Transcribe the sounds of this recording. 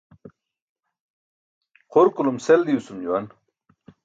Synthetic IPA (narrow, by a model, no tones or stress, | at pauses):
qʰoɾkulumseld̪iusumd͡ʑuwɐn